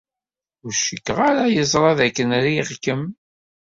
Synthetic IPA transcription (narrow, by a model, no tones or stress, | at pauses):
ʊɾʃəkːəʁaɾajəzˤɾˤɑðækːənɾiʁkəm